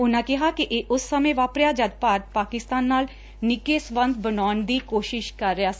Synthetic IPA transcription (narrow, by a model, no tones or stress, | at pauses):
ʊnãːkɪɦaːkiʔeːʔʊsːəmẽːʋaːpɾjaːd͡ʒəd̪̚paːt̪̚paːkɪst̪aːnːaːl | nɪkeːsʋə̃nd̪bənaːnd̪iːkoːʃɪʃkəɾːejaːs